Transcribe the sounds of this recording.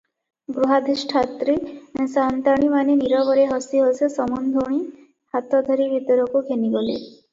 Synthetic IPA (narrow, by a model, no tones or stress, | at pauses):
ɡɾuɦad̪ʱisʈʰat̪ɾisant̪aɽ̃imaneniɾɔβɔɾeɦɔsiɦosesɔmɔnd̪ʱuɽ̃i | hat̪ɔd̪ʱɔɾibʱit̪ɔɾɔkuɡʱeniɡɔlḛ